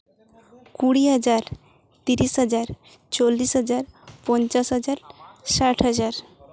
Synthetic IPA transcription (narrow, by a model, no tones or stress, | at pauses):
kuɽiɦəd͡ʑaɾ | t̪iɾisɦəd͡ʑaɾ | t͡ɕolːisɦəd͡ʑaɾpɔnt͡ɕasɦəd͡ʑaɾsaʈʰɦəd͡ʑaɾ